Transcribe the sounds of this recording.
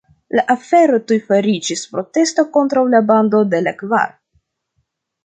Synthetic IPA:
laʔafe̞ɾo̞tujfaɾid͡ʒispɾo̞te̞stoko̞ntɾawlabando̞de̞lakva̰ɾ

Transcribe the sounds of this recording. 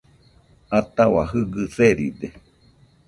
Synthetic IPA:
at̪awa̰ɦɨɡɨseɾḭd̪e

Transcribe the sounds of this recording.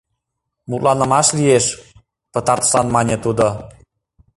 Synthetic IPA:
mut̪lɑnə̆mɑʃlieʃ | pɤ̆t̪ɑrt̪ə̥ʃlɑnmɑnʲet̪ud̪o

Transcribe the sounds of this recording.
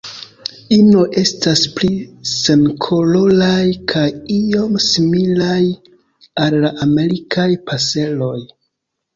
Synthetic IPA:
ino̞ʔe̞stasplise̞nkʰo̞lo̞lajkʰajio̞msimilaj | alːaʔame̞ɾikʰajpʰase̞lo̞j

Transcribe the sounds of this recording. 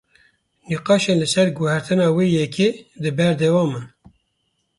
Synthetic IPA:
niqɑːʃenlɨsɛɾɡʊhɛɾt̪ʰɨnɑːweːjɛkʰeːd̪ɨbɛɾd̪ɛwɑːmɛ

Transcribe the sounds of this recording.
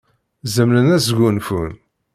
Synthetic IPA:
zəmlənæzɡʷunfun

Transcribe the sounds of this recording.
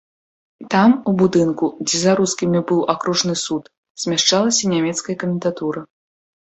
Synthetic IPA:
t̪amubud̪ɨnkud͡zʲɛzaɾuskʲimʲibɨwakɾuʐnɨsut̪ | z̥ʲmʲaʂt͡ʂalˠɐsʲɐnʲamʲɛt̪skɐjɐkɐmʲɛnt̪at̪uɾɐ

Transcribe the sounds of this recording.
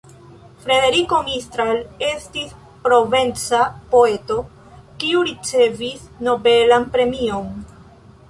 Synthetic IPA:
fɾe̞de̞ɾiko̞mistɾale̞stis | pɾo̞ve̞nt͡sapo̞e̞to̞ | kiuɾit͡se̞visno̞be̞lanpɾe̞mio̞n

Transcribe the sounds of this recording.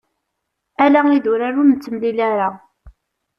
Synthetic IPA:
ælæiðʊɾaɾunt͡sːəmlilaɾa

